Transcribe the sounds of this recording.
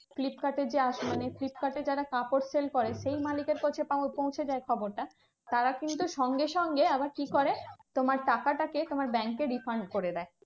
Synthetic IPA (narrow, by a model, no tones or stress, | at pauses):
flipkaʈed͡ʑeaʃmaneflipkaʈed͡ʑaɾakapoɾselkoɾeʃejmalikeɾkot͡ɕʰepapõw̃t͡ɕʰed͡ʑaekʰɔboɾʈa | t̪aɾakint̪uʃɔŋɡeʃɔŋɡeabaɾkikoɾet̪omaɾʈakaʈaket̪omaɾbɛŋkːeɾifʰaɾɳɖkoɾed̪ɛe